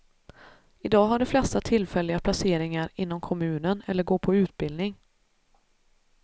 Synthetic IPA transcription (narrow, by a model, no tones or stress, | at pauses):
ɪd̪ɑːɦaɖɛflɛst̪at̪ʰɪlfɛlːɪɡapʰlaseːɾɪŋaɾɪnːɔmkʰɔmʉ̟ːnənɛlːəɾɡoːpʰɔʉ̟ːt̪̚bɪld̪nɪŋ